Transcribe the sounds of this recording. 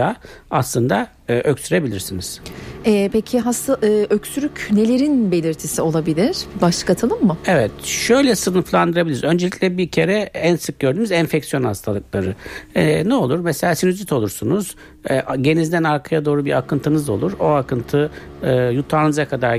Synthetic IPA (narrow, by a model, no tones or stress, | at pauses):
aaslˠɯnd̪aː | ʔøcsyɾe̞bilʲiɾsiniz̥ɛːpecʰiɦast̪ʰaɯːʔøcsyɾycʰynelʲeɾinbe̞lʲiɾt̪ʰisio̞lˠabilʲiɾ̥baʃlɯ̥kat̪ʰɯlˠɯmːʊevɛt̪ʃø̞jlʲɛsɯnɯflˠand̪ɯɾabilʲiɾizø̞nd͡ʒeicʲlʲɛbiɾcʰe̞ɾɛænsɯk̚ɟø̞ɾd̪ymyzænfɛcsijo̞nhast̪ʰalˠɯk̚lˠaɾɯɛnɛo̞lˠuɾmɛse̞lʲaːsinyzit̪ʰo̞lˠuɾsunuz̥ | ɛɟe̞nizd̪ænaɾkʰajad̪o̞ːɾubiɾakɯnt̪ʰɯnɯzo̞̰lˠuɾo̞akʰɯnt̪ʰɯ | ɯːjut̪ʰaɾnɯzakʰad̪aɾ